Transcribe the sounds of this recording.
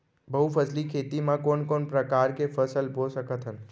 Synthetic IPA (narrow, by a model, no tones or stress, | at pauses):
bəɦupʰəslikʰeːt̪imãkoːnkoːnpɾəkaːɾkefʰəsəlbosəkət̪ɦən